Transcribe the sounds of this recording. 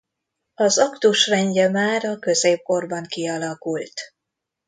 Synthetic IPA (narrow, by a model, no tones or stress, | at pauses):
ɒzɒkt̪uʃrɛɲɟɛmaːɾɒkø̞zeːp̚ko̞rbɒŋkiɒlɒkult̪